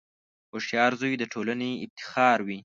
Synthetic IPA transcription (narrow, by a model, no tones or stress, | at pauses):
oʃjɑɾzojd̪əʈʰolaneɪb̚t̪ɪ̥xɑɾwi